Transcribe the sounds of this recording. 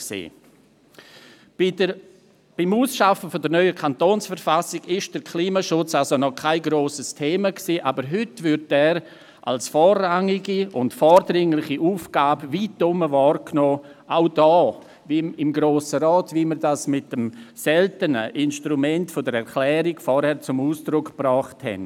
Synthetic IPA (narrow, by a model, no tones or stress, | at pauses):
ksḛː | b̥ɪmuːsʃafəfodəɾnœʏəkʰantoːnsfəɾfasɪɡ̥ɪʃd̥əɾkʰliːmaʃʊt͡salsonɔkʰaɪɡɾoːsəstʰeːmaksiːʔabəɾɦʏtvʏɾtɛːɾ | ʔa̰lsfɔːɾaŋɪɡiʊntfɔːɾdɾɪŋlɪχiʔuːfɡ̥aːbviːtːʊməvɑːɾknoːʔaʊdɔː | viɪmɡɾoːsəɾɔːtviməɾdasmɪt̚əmsɛltənə̰ʔɪnʃtɾumɛntfodəɾɛɾkʰlɛːɾiɡfɔɾhɛɾt͡sʊmuːsd̥ɾʊkprɔːχthɛ̰n